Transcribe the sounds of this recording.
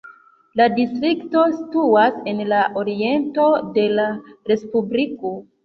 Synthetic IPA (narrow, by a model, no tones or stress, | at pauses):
ladistɾikto̞si̥tuase̞nlaʔo̞ɾie̞nto̞de̞laɾe̞spubliko̞